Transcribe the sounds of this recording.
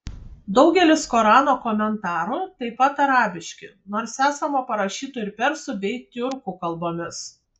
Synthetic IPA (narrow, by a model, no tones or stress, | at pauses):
d̪ɒʊɡʲɛlʲɪskɔːɾɑːnoːkɔmʲɛnt̪ɑːɾʊt̪ɐɪpɐt̪ɐɾɑːbʲɪʃʲkʲɪ | noːɾsæːsɐmɐpɐɾɐʃʲiːt̪ʊɪɾpʲɛɾsʊbʲɛɪt̪ʲʊɾkʊkɐlˠboːmʲɪs